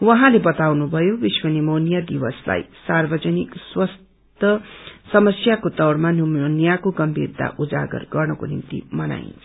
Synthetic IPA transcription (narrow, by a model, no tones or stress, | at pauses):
wʌɦãlebʌt̪awnubʱʌjobiswʌnimonijad̪iwʌsla̰jsarbʌd͡zʌnikswʌs | t̪ʌsʌmʌsjakot̪ʌwɽmanimonjakoɡʌmbʱirt̪a̰ʔud͡za̰ɡʌ̰rɡʌrnʌkonḭmt̪ḭmʌna̰jnʰ